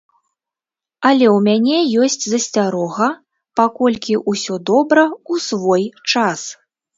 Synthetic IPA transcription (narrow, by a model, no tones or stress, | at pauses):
ɐlʲɛwmʲanʲɛjɔsʲt͡sʲzɐsʲt͡sʲaɾɔɣɐ | pakɔlʲkʲiʔusʲɔd̪ɔbɾɐusvɔjt͡ʂas